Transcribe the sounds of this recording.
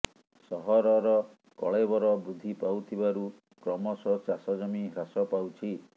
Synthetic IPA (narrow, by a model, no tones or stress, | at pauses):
sɔɦɔɾɔɾɔ | kɔɭejbɔɾɔbɾud̪ʱipawt̪ʰibaɾu | kɾɔmɔsɔt͡ʃasɔd͡ʒɔmiɦɾasɔpawt͡ʃʰi